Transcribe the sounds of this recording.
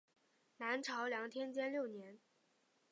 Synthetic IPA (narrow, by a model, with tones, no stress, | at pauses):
na˧˥nʈ͡ʂʰɑ˧˥ʊljɑ˧˥ŋt̪ʰjɛ˥nt͡ɕjɛ˥nljo˥˩ʊnjɛ˧˥n